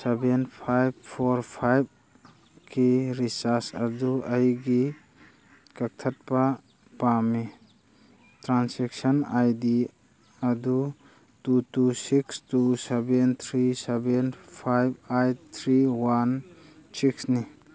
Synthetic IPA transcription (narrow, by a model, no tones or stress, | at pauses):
sebenpʰajb̚pʰɔɾpʰajb̚ | kʰiɾisasɐduajɡi | kɐk̚tʰat̚pa | pami | tɾansɛk̚sɔnajdi | ɐdu | tutusikstusebent̪ʰɾisebenpʰajb̚ajt̪ʰɾiwansiksni